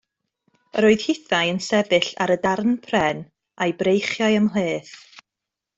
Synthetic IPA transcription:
əɾoːɨðhɪθajənsɛbɨɬa̰ɾədarnpʰrɛn | ajbrejχjajəmlˠeːθ

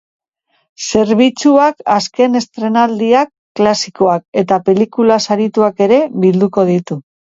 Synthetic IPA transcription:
se̞ɾβ̞it͡suakaske̞ne̞st̪ɾe̞nald̪iakːlasiko̞ake̞t̪ape̞likulasaɾit̪uake̞ɾe̞βild̪uko̞ð̞it̪u

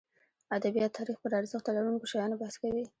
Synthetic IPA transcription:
ad̪abijɑt̪ʰːɑɾixpəɾɑɾzəxt̪alaɾunkoʃajɑnobahskawi

